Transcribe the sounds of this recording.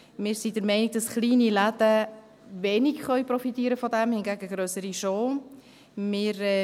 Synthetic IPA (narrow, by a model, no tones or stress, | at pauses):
mɪːɾsidɛɾmɛɪnɪɡ̚dɑsχliːniladə | vɛːnikχœʏpɾɔfitiːɾəfɔdɛmhɪnɡæːɡəɡɾøːsəɾiʃoː | mɪːɾɛ